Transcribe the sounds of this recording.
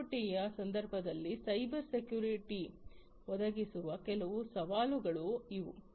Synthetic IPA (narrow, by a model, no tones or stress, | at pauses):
ʈijɐsɐnd̪ɐɾbʱɐd̪ɐlːisɐjbɐɾsekjuːɾiʈi | ʋɔd̪ɐɡisuʋɐkɛlɐʋusɐʋaːluɡɐɭuiʋu